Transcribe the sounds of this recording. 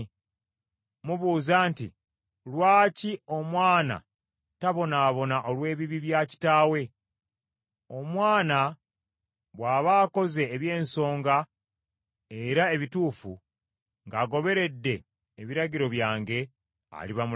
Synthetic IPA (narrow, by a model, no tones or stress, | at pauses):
muβuːzaːntḭ | lwaːcio̞mwaːna̰ | taβo̞naːβo̞naʔo̞lwe̞ːβiβiβjaːci̥taːwe̞ | o̞mwaːna | βwaːβaːko̞ze̞ːβje̞ːnso̞ːŋɡa | eɾae̞βituːfu | ŋɡaːɡo̞βe̞ɾe̞dːe̞ː | βiɾaɟiɾo̞βjaːŋɡe̞ | a̰liβamu